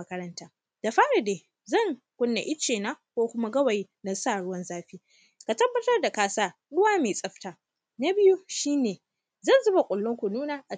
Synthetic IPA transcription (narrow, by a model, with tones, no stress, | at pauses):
ɐ˦kɐ˦ɾɐ˦ntaː˦ | d̥a˨ɸaː˦ɽa˨deː˨ | zɐ˦˨ŋ | kʷʊ˦nːa̰˨ʔɪ˦t͡ʃeː˨naː˦kʷoː˦kʷʊ˦ma˦ɡɐ˦wa˨ji˦nɐ˦˨saː˦˨ɽʊ˦wɐ˦nzaː˦ɸiː˦ | ka˨tɐ˦bːɐ˦tɐ˦rda˨kaː˦saː˦ | ɗʊ˦waː˦meː˨sʼɐ˦ɸtaː˦ | na˦bɪ˦ju˦ʃiː˦neː˨ | zɐ˦˨nzʊ˦ba˨kʷʼʊ˨lːʊ˦ŋkʷu˨nuː˦naː˨ʔa˨